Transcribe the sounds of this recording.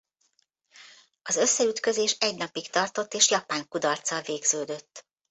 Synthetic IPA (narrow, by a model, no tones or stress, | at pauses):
ɒzø̞sːɛyt̪kø̞zeːʃɛɟnɒpikt̪ɒrt̪o̞t̪ːeːʃjɒpaːŋkud̪ɒrt̪sɒlveːɡz̥øːd̪øt̪ː